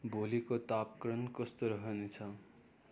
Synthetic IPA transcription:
bolikot̪apkɾʌnkʌst̪oɾʌɦʌnet͡sʰʌ

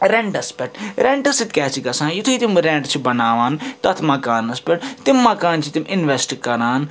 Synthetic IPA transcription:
ɾɛɳʈɐspɛʈɾɛɳʈɐsit̪kʲɛːt͡ʃʰiɡɐsãːjit̪ʰuit̪imɾẽɳʈt͡ʃʰibɐnaːʋaːnt̪ɐt̪ʰmɐkaːnɐspʲɛʈt̪ɪmːɐkaːnt͡ʃʰit̪imɪnʋesʈkɐɾaːn

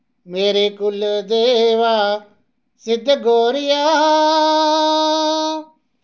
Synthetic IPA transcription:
meːɾeːkʊld̪eːʋaː | sɪd̪ɡoːɾɪjaːɦ

